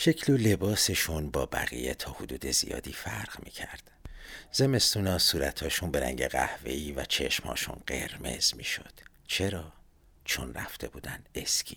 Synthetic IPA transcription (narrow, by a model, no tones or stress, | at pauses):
ʃecʰlole̞bɒːse̞ʃunbɒːbæɣḭje̞t̪ʰɒːhod̪uːd̪e̞zḭjɒ̰ːd̪iːfæɾʁ̥miːcʰæɾd̪̥z̥e̞me̞st̪uːnɒːsuːɾæt̪ʰɒːʃunbe̞ɾæ̰ŋɟeɣæ̰hve̞iːvæt͡ʃʰe̞ʃmhɒ̰ːʃṵnɢe̞ɾme̞̰z̥miːʃo̞̰d̪̥ | t͡ʃʰe̞ɾɒː | t͡ʃʰonræ̰ft̪ʰe̞buːd̪æneskʰiː